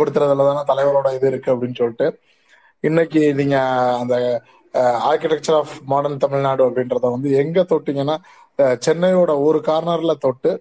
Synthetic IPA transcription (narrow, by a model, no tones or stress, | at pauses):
ɐɽɯt̪ːɯɾɐðɐlːɐt̪aːnaːt̪ɐlɐɪʋɐloːɽɐɪðɯɪɾɯkːɯɐpːɐɽɪnːɯsɔlːɪʈːɯ | ɪnːɛk̬ʲːiniːŋɡɐːnd̪ɐ | aːɾkɪʈɛk̚t͡ʃɐɾaːfmaːɽɐnt̪ɐmɪɻnaːɽɯɐpːɐɽɪnɾɐðãːʋɐnd̪ɯɛŋɡɐt̪oːʈːiŋɡɐnːaː | t͡ʃɛnːɐjoːɽɐɔɾɯkaːɾnɐɾlɐt̪oːʈːɯ